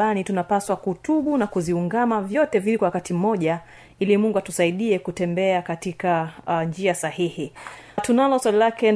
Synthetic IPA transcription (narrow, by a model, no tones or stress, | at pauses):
anitunapaswakuːtuɓunakuziuŋɡamavjɔtɛvilikwawakatim̩mɔʄa | ilimuŋɡuatusaiɗiɛkutɛmbɛakatikand͡ʒiasahihitunalɔswalilakɛ